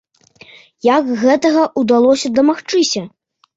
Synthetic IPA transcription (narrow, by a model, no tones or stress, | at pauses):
jakɣɛt̪ɐɣɐʔud̪alˠɔsʲɐd̪ɐmaxt͡ʂɨsʲɐ